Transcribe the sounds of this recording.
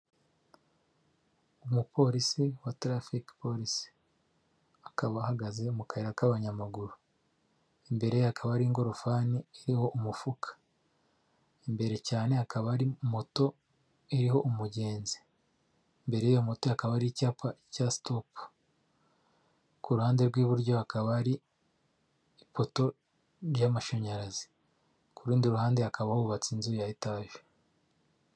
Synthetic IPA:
umupo̞ɾisiwatɾafikpoɾisi̥ | akaβahaɡaze̞umukaheɾakaβaɲamaɡuɾu | embe̞ɾejhakʰaβaɾiŋɡo̞ɾofanieɾiho̞ʔumufukʰḁ | imbe̞ɾe̞caːne̞hakaβaɾimo̞to̞ | eɾiho̞ʔumuɟe̞ːnzi̥ | mbe̞ɾe̞ijomo̞tohakaβaɾicapacasi̥topu̥ | kuɾuhaːnde̞ɾɡwiːβuɾɟo̞hakaβaɾi | po̞to̞ | ɾjamaʃo̞ɲaɾazi̥ | kuɾuːndiɾuhaːndehakaβahuuβat͡sinzujajitaːʒo̥

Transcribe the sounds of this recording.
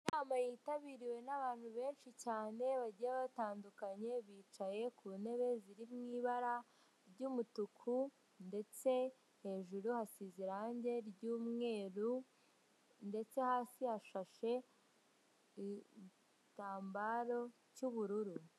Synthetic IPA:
inaːmajitaβiːɾiwe̞naβaːn̥huβe̞ːnʃicaːne̞βaɟiɾaβataːndukaɲe̞βiːt͡ʃaje̞kuːne̞βe̞ziɾimŋiːβaɾa | ɾɟuːmutukʰu | nde̞t͡se̞ | he̞ːʒuɾuhasiziɾaɲɟe̞ɾɟuːmŋe̞ːɾu | nde̞t͡se̞haːsihaʃaʃe̞ | i | taːmbaɾo̞ | cuβuɾuɾu

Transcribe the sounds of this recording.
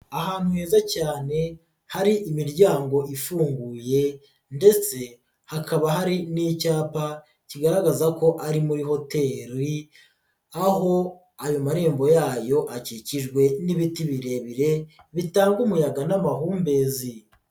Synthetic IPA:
aɦaːn̥huhe̞ːzacaːne̞ | haɾiʔimiɾɟaːŋɡo̞ʔifuːŋɡuːje̞ | nde̞t͡se̞ | hakʰaβaɦaɾiniːcaːpa | ciɡaɾaɡazako̞ʔaɾimuɾiɦo̞te̞ɾi | aɦo̞ | ajo̞maɾe̞ːmbo̞jaːjo̞ʔaciciʒɡwe̞niβitiβiɾe̞βiɾe̞ | βitaːŋɡumujaɡanamaɦuːmbe̞zi

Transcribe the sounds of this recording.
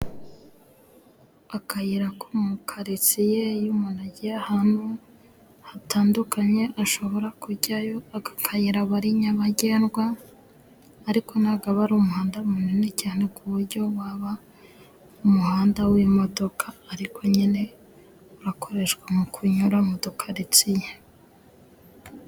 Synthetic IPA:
akajiɾakumukʰaɾit͡sijejumunaɟijahaːnhu | hatʰaːndukaɲe̞ʔaʃo̞βo̞ɾakuɟajo̞aakʰajiɾaβaɾiɲaβaɟe̞ːnɡwa | ɾiko̞naɡaβaɾumuhaːndamuninecaːne̞kuβuɾɟo̞waβa | umuhaːndawujomodo̞kʰaːɾikʰo̞ɲene̞ | uɾakʰo̞ɾe̞ʃɡwamukʰuɲuɾamodokʰaɾit͡sije

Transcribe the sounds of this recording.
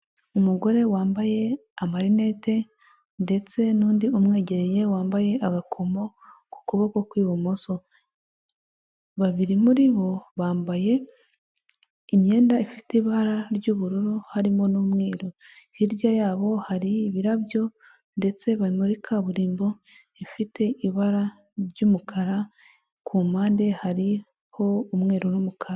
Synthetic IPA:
umuɡo̞ɾe̞waːmbaje̞amaɾine̞ːte̞ | nde̞t͡se̞nuːndiumŋe̞ːɟe̞ɾe̞je̞waːmbaje̞ʔaɡakʰo̞mo̞ | ku̥kuβokokwiːβumoso | βaβiɾimuɾiβo̞βaːmbaje̞ | imje̞ːndaifiteβaɾaɾɟuβuɾuɾuhaɾimo̞nuːmŋe̞ːɾo | hiɾjajaːβo̞haɾiβiɾaβjo̞ | nde̞t͡se̞βaɾimuɾikʰaβuɾiːmbo̞ | ifitʰe̞ʔiβaɾa | ɾɟuːmukʰaɾa | kʰumaːndehaɾi | ho̞umŋe̞ːɾonumukʰaɾa

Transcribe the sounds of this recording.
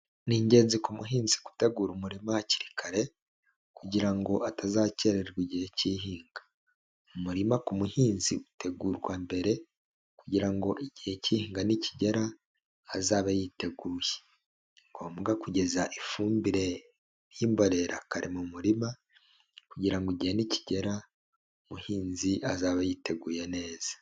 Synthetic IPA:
niːɲɟe̞ːnzikumuɦiːnzi̥ku̥teɡuːɾumuɾimaaci̥ɾikʰaɾe̞ | kuɟiɾaŋɡo̞ʔatazaːce̞ɾeɾɡiɟihe̞ciɦiːŋɡḁ | umuɾimakumuhiːnziute̞ɡuːɾwambe̞ɾe̞ | kuɟiɾaŋɡo̞ʔiɟihe̞cihiːŋɡaniciɟeɾaː | zaːβajite̞ɡuːje | ŋɡomɡakuɟe̞zaʔifuːmbiɾe̞ | jimbo̞ɾe̞ɾa̰kaɾimumuɾima | kuɟiɾaŋɡoiɟihenici̥ɟe̞ɾa | umuhiːnziʔazaːβajite̞ɡuːjene̞ːz̥ḁ

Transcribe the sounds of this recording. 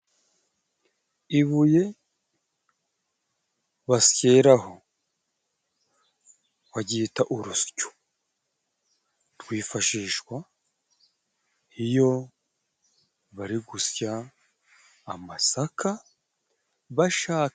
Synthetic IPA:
iβuje̞ | βasje̞ːɾaɦo̞ | waɟiːtaʔuɾuscu̥ | tɡwiːfaʃiːʃwa | ijo̞ | βaɾiɡusja | masakʰa | βaʃaː

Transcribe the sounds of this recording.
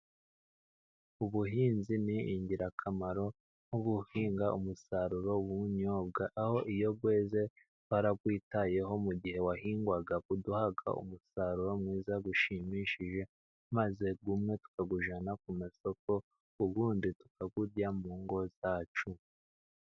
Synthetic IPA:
uβuɦiːnziniiɲɟiɾakʰamaɾo̞ | noɡuhiːŋɡaumusaɾuɾo̞wuɲoːb̚ɡaʔaho̞ʔijo̞b̚ɡwe̞ːze̞ | waɾakwiːtaje̞ɦo̞muɟihe̞wahiːŋɡwaɡakuduhaɡa̰ʔṵmusaɾuɾo̞mŋiːzaɡuʃimiʃiʒe̞ | maze̞ɡumŋe̞tu̥kaɡuʒanakumeso̞ko̞ | uβuːnditu̥kaɡuɾɟamuːŋɡo̞z̥aːt͡ʃu

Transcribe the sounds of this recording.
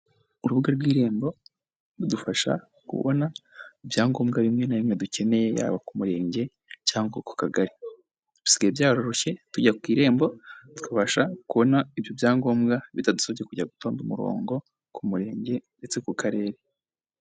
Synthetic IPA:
uɾuβuɡaɾɡwiːɾe̞ːmbo̞ | ɾudufaʃa̰ | kṵβo̰naibjaːŋɡo̞ːmɡaβimŋe̞naβimŋe̞duce̞ne̞je̞ja̰βakumuɾe̞ːɲɟe̞ | caːŋɡako̥kaɡaɾi | d̥usiɡaebjaːɾo̞ɾoçe̞tuɟakwiːɾe̞ːmbo̞tkaβaʃakuβo̞naibjobjaːŋɡo̞ːmɡaβitadu̥soβekuɟaɡuto̞ːndumuɾo̞̰ːŋɡo̞ | kumuɾe̞ːɲɟe̞nde̞t͡se̞kukʰaɾe̞ːɾe

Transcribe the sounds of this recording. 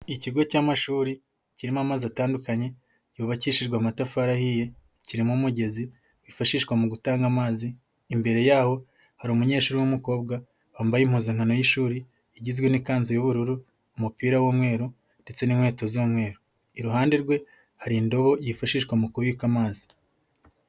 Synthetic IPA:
iciɡo̞camaʃuːɾi | ciɾimamaziataːndukaɲe̞ | juːβaciʃiɾɡwamatafaɾahije̞ | ciɾimumuɟe̞zi | wifaʃiːʃkwamuɡutaːŋɡamaːziː | mbe̞ɾe̞jaːho̞ | haɾimuɲe̞ːʃuːɾiwumuko̞ːβbɡa | aːmbajimhuzeŋ̥hano̞jiʃuːɾi | iɟizɡwe̞nikaːnzijuβuɾuɾuː | mupiːɾawomwe̞ːɾu | nde̞t͡se̞nimwe̞ːto̞zomŋwe̞ːɾo | iɾuɦaːnde̞ɾɡwe̞ | haɾindo̞βo̞jifaʃiːʃkwamukuβikamaːzi̥

